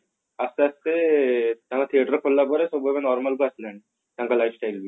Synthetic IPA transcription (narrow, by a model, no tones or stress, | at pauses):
ast̪east̪et̪ãkat̪ʰieʈəɾkʰollapɔɾesɔbejbenɔɾmalkoaslaɳi | t̪eaŋkalajfsʈajlbi